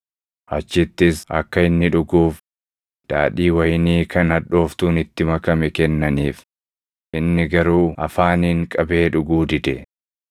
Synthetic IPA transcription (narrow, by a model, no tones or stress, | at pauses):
hɐt͡ʃːɪt̪ːɪsɐ̰kːɐɪnːɪᶑʊɡuːf | d̪̥a̰ːᶑiːwɐjniːkʰɐnɐᶑo̞ːft̪uːnɪt̪ːɪmɐkɐmɛkɛnːɐniːf | ʔɪnːɪɡɐɾuːʔɐfaːniːŋkʼɐbe̞ːᶑʊɡuːd̪ɪd̪ɛ